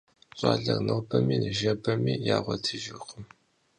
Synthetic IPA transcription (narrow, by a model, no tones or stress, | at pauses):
ɕʼɑ̰ːɮɐrnɐwbʰɐmiːnɨʒɐbɐmiːjaːʁʷɔtʰɨʒɪqəm